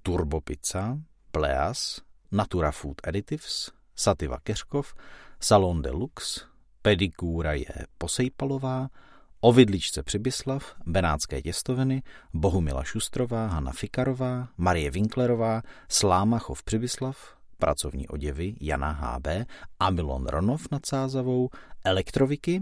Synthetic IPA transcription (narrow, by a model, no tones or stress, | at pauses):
t̪uɾbo̞pɪt͡sa | plɛ̰a̰snat̪uɾafuːt̪ʔɛdɪt̪ɪfsː | at̪ɪva̰kɛr̥kofsalondɛ̰luks | pɛdɪkuːɾajɛ̰po̞sɛjpalo̞vaːʔo̞vɪdlɪt͡ʃt͡sɛpr̝̥ɪbɪslafbɛnaːt̪t͡skɛ̰ːcɛst̪ovɪnɪbo̞ɦumɪ̰la̰ʃust̪ɾo̞vaːɦana̰fɪkaɾovaːmaɾɪjɛvɪŋklɛɾo̞vaːslaːmaxofpr̥ɪbɪslaf | pɾʔa̰t͡so̞vɲḭːʔo̞̰ɟɛvɪja̰naɦa̰ːbɛːʔamɪlo̰nɾʔo̰nofnat̪saːzavo̞wʔɛlɛkt̪ɾovɪkɪ